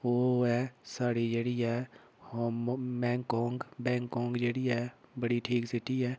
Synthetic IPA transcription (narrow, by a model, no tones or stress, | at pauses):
ʋoːɛsaːɽid͡ʒəɽiɛ | hobɛ̃ːŋkɔ̃ːŋɡbɛ̃ːŋkɔ̃ːŋɡd͡ʒəɽiɛbəɽiʈʰiːksɪʈiɦɛː